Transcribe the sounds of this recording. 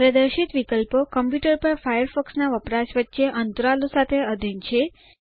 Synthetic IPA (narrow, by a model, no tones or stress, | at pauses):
ɾəd̪əɾʃit̪ʋikəlpokəmpjuʈəɾpəɾfajəɾfɔksnaʋəpɾaʃʋətːʃeʔənt̪ɾalosat̪ʰeəd̪ʱint͡ʃʰe